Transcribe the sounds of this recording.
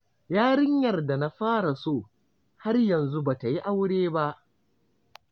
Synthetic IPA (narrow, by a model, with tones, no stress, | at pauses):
jaː˦ɽɪ˦ɲjɐ˨rda˨na˦ɸaː˦ɽa˨soː˦˨ | ha˦rjɐ˨nzu˦ba˨ta˨ji˦ʔa˦wɽeː˦ba˦ʔ